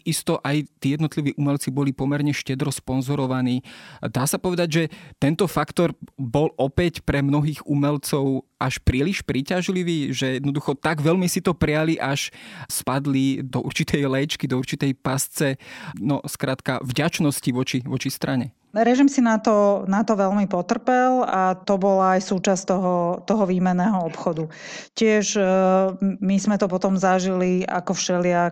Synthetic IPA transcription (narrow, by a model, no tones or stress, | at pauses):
ist̪ɔʔajt̪iːjɛd̪nɔt̪liʋiːʔumɛlt͡sibɔlipɔmɛɾɲɛʃcɛd̪ɾɔspɔnzɔɾɔʋaniːd̪aːsapɔʋɛd̪aɟʒɛt̪ɛnt̪ɔfakt̪ɔɾbɔlʔɔpɛcpɾɛmnɔɦiːɣumɛlt͡sɔʊʔaʃpɾiːliʃpɾiːcaʒliʋiːʒɛjɛd̪nɔd̪uxɔt̪aɡʋɛʎmisit̪ɔpɾɛjaliʔaʃspad̪lid̪ɔuɾt͡ʃit̪ʰɛjlɛt͡ʃkid̪ɔuɾt͡ʃit̪ɛjpast͡sɛnɔskɾaːt̪ka̰vɟat͡ʃnɔsciʋɔt͡ʃiʋɔt͡ʃist̪ɾaɲɛ | ɾɛʒimsinat̪ɔnat̪ɔʋɛlmipɔt̪r̩pɛlat̪ɔbɔlaːjsuːt͡ʃast̪ɔɦɔt̪ɔɦɔʋiːmɛnːɛːɦɔɔpxɔd̪ucɪɛʒ | mizmɛt̪ɔpɔt̪ɔmzaʒilia̰kɔfʃɛlɪa